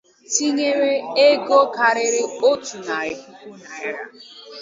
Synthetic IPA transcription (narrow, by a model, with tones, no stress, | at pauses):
ti˦ɲe˦ɾe˦e˦ɡo˦ka˨ɾɪ˦ɾɪ˦o˦tu˨na˨ɪ˨kʷu˦kʷu˦na˨ɪ˦ɾa˦